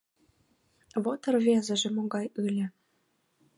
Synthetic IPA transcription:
βot̪ə̆rβezə̆ʒĕmoɣɑjɯlʲĕ

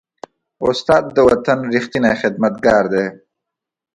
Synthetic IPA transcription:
ʊst̪aːd̪̚ːəwɐt̪ɐnɾixt̪inajxɪd̪̚mɐt̪̚ɡaːɾd̪eː

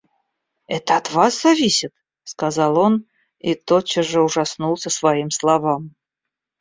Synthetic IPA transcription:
ɛt̪əɐt̪vaszɐvʲisʲɪt̪ | skazɑlˠo̞n | it̪ot͡ɕːəʐəʊʐɐsnulˠsʲəsvɐimslˠɐvam

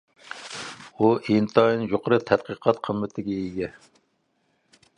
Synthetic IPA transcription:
uʔint̪ʰɑjinjoqəɾɨt̪ʰɛt̪̚qʰəqʰɑt̪qʰəmːɪt̪ʰɪɡʲɛiɡʲɛ

